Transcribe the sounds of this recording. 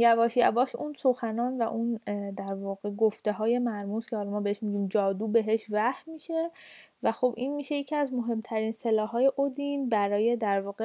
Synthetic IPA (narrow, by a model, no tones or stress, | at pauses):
jævɒːʃjævɒːʃunsoxænɒːnvæʔund̪æɾvɒːɣ̥e̞ɡoft̪e̞ɦɒːje̞mæɾmuscʲʰeɒːɾɔmɒːbeeʃmiːɟiːmd͡ʒɒːd̪uːbe̞ɦe̞ʃvæhmiːʃe̞ | væxo̞bʔiːnmiːʃejecʰiæzmo̞ɦe̞mt̪ʰæɾiːnse̞lɒːɦɒːje̞ʔod̪inbæɾɒːje̞d̪æɾvɒːɣe